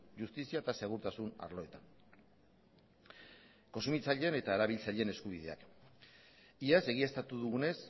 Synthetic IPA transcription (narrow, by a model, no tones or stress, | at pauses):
ʝust̪isiat̪ase̞ɣ̞uɾt̪asuna̰ɾlo̞e̞t̪an | konsumit͡saʎe̞ne̞t̪aeɾaβilt͡saʎe̞ne̞skuβ̞ið̞e̞a̰k | iase̞ɣ̞iest̪at̪uðuɣune̞s